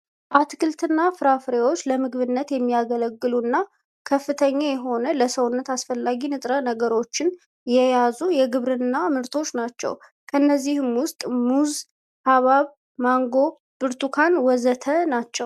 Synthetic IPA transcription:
ʔat̪ɡɨlt̪ʰɨnːafɨɾafɾewo̞t͡ʃːləmɨɡβɨnːət̪jɛmːijaɡələɡːɨlunːa | kʰəfːɨt̪ʰəɲːajɛɦo̞nələsəwʊnːət̪asfəlːaɡinɨt̪ʼɾənəɡəɾo̞t͡ʃːɪn | jɛjazujɛɡɨβɾɨnːamɨɾt̪ʰo̞t͡ʃːnat͡ʃːɛ̰w | kʰəɨnːəzːihɨmwʊst̪ʼmuz | ʔaβaβ | maŋɡo̞ | b̥ɨɾt̪ʰukʰanwɔzət̪ʰənat͡ʃːɛw

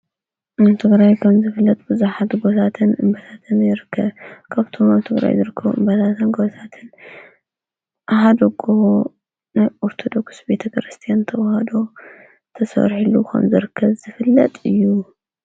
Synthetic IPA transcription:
aβt̪ʰɨɡɾajkʰɐmzɨfɨlːɐt̪ʼb̥ɨzuħat̪ɡo̞t̪ʰat̪ʰɨnɨmbɐt̪ʰat̪ʰɨnjɪɾɨkʰːɐβkʰaβt̪ʰomaβɨt̪ʰɨɡɾa̰jzɨɾɨkʰːɐβuʔɨmbɐt̪ʰat̪ʰɨnɡot̪ʰat̪ʰɨn | ʔahad̪oɡoo | najʔoɾt̪ʰo̞d̪o̞ksbe̞t̪ʰɐkɾɨst̪ʰijant̪ʰɐwɐhɐd̪o̞ | t̪ʰɐsɐ̰ɾħilukʰɐ̰mzɨɾɨkʰːɐβz̥ɨfɨlːɐt̪ʼɨjːu

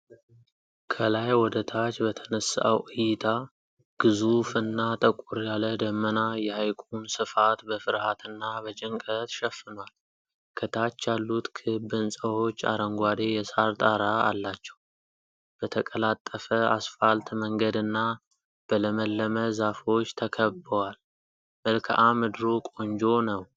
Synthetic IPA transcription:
kʰəlajwɔd̪ət̪ʰat͡ʃbət̪ʰənəsə̰wʔɨjɪt̪ʰa | ɡ̥ɨzufɨnːat̪ʼəkʼuɾjaləd̪əmːənajɛhajkʼunsɨfat̪bəfɨɾhat̪ʰɨnːabət͡ʃʼɪŋkʼət̪ʃɛfːɨnwal | kʰət̪ʰat͡ʃːjalːut̪kʰɨbɨnsʼəo̞t͡ʃːa̰ɾəŋɡʷad̪e̞jɛsaɾt̪ʼaɾa̰ːlːat͡ʃːɛw | b̥ət̪ʰəkʼəlat̪ʼːəfəasfalt̪məŋɡəd̪ɨnːa | b̥ələməlːəməzafo̞t͡ʃːt̪ʰəkʰəbəwal | məlkʰə̰ʔamɨd̪ɾokʼo̞nd͡ʒo̞nəw

